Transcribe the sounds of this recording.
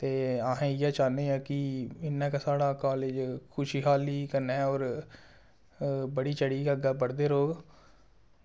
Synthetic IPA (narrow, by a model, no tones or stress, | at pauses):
t̪eːaːɦẽːɪjaːt͡ʃaːneːãːkɪɪnːɛ̃ːkasaːɽaːkaːleːd͡ʒkʰʊʃiːɦaːliːkənɛ̃ːɔːɾ | bəɽiːt͡ʃəɽiːkəɡaːbəɽd̪eːɾoːɡ